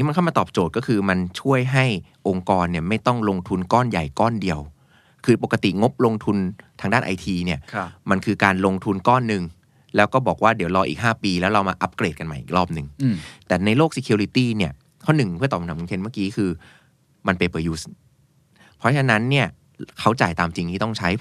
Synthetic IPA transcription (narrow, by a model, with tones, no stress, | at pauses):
ŋiː˦˥ma˧nʰa˥˩wmaː˧t̪ɔː˨˩p̚t͡ɕoː˨˩t̪̚kɔː˥˩kʰɯː˧ma˧nt͡ɕʰu˥˩əjɦa˥˩j | ʔo˧ŋkɔː˧nːi˥˩ɐma˥˩jt̪ɔ˥˩ŋlo˧ŋt̪ʰu˧nkɔː˥˩nja˨˩jkɔː˥˩ndi˧əw | kʰɯː˧po˨˩ka˧t̪ḭ˨˩ŋo˦˥p̚lo˧ŋt̪ʰu˧nt̪ʰaː˧ŋdaː˥˩nʔa̰˧jt̪ʰiː˧ni˥˩ɐma˧nkʰɯː˧kaː˧nlo˧ŋt̪ʰu˧nkɔː˥˩nːɯ˨˧ŋ | lɛː˦˥wkɔː˥˩bɔː˨˩k̚waː˥˩di˩˦wlɔː˧ʔḭː˨k̚ɦaː˥˩piː˧lɛː˦˥wɾa˧wmaː˧ʔa˦˥p̚kɾeː˨˩ka˧nmaː˧ʔḭː˨k̚ɾɔː˥˩p̚nɯ˨˩ŋt̪ɛː˨˩na˧jloː˥˩k̚si˧kʰi˧ɾi˧˥t̪iː˥˩ni˥˩ɐ | kʰɔ˥˩nːɯ˨˩ŋpʰɯ˥˩t̪ɔː˨˩˨nʰa˨˦˨kːkʰe˧nma˥˩kiː˦˥kʰɯː˧ | ma˧npa˧jpɯː˨˩ju˦˥s | pʰɔ˦˥t͡ɕʰa˧na˦˥nːi˥˩ɐ | kʰa˦˥wt͡ɕaː˨˩jt̪aː˧mt͡ɕi˧ŋʰiː˥˩t̪ɔ˥˩ŋt͡ɕʰa˦˥j